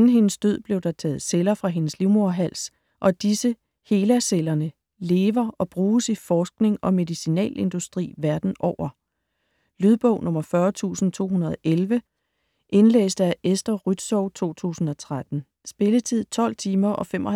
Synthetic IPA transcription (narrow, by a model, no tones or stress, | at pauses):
nn̩ɦe̝nəsd̥øð̰ˠb̥le̝ʊd̥ɑ̈t͡sʰɛ̰ːð̞̩ˠselɐfʁɑ̈ɦe̝nəsliʊmo̝ɐɦæl̰s | ʔɒ̽d̥isə | he̝ːlæselɐnə | le̝ːʋɐɒ̽b̥ʁuːsifɒːsɡ̥ne̝ŋɒ̽me̝ðˠisinɛ̰ːle̝nd̥usd̥ʁḭːʋæɐd̥n̩ʔɒʊ̰ɐ | lyð̞ˠb̥ɔ̽ʊ̰nʔɔ̽mɐfɶːɐt͡sʰṵːsn̩t͡sʰo̝̰ːhunɐð̞ˠɒʔelʋə | ʔe̝nlḛːsd̥æʔesd̥ɐʁyd̥sɒʊ̰t͡sʰo̝̰ːt͡sʰṵːsn̩ɒ̽t͡sʰʁad̥n̩ | sb̥e̝lət͡sʰið̞̰ˠt͡sʰɒ̽l̰t͡sʰiːmɐʔɒ̽femɒ